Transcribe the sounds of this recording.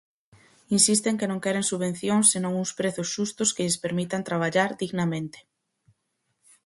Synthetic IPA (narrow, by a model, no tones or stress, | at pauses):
insist̪eŋkenõŋkɛɾeŋsuβen̟θjoŋsːenõŋuŋspɾeθʊsʃust̪ʊskɪʎɪspeɾmit̪ant̪ɾaβ̞aʎaɾd̪iɣnamẽnt̪ɪ̥